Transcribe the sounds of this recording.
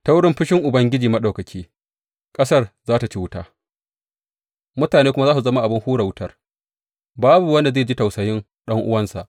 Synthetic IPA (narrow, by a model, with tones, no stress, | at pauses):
ta˦wɽɪ˦mɸɪ˦ʃɪ˦ŋʔʊ˨bɐ˦ŋɡʲɪ˦d͡ʒiː˨mɐ˦ɗa˨wkɐ˨kʲʰiː˦ | kʼɐ˦sɐ˦rzaː˦ta˨t͡ʃiː˦wʊ˦ta̰ː˦ | mʊ˦taː˨neː˦kʷʊ˦ma˦zaː˦su˨zɐ˦ma˦ʔa˨bɪ˦ŋhuː˦ɽa˨wʊ˦tɐ˦r | baː˦bu˨wɐ˦nda˨zeː˦˨d͡ʒi˦ta˨wsɐ˨jɪ˦n | ɗɐ˦ŋʔʊ̰˦wɐ˦nsa̰˨ʔ